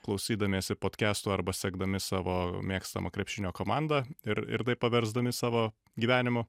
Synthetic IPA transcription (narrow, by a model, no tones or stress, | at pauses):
klˠɒʊsʲiːd̪ɐmʲeːsʲɪpoːt̪ʲkʲæːst̪uːɐɾbɐsʲɛɡd̪ɐmʲɪsɑːʋoːmʲeːkst̪ɐ̰mɐ̰kɾʲɛpʲʃʲɪnʲoːkoːmɑnd̪ɐɪɾɪ̰ɾt̪ɐɪppɐʋʲɛɾzd̪ɐmʲɪsɑːʋoː | ɡʲiːʋʲæːnʲɪmʊ